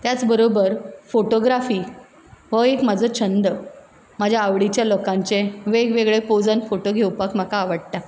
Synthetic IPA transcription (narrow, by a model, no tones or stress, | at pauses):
t̪jat͡sbəɾobəɾfoʈoɡɾafiː | ʋəekm̤ad͡zʱɔt͡ɕʰənd̪ə | mad͡ʑʱjaaʋɽit͡ɕjalokãɲt͡seʋeɡʋeɡɭepod͡zənfoʈoɡʱewpakm̤akaːʋəɽʈ̪a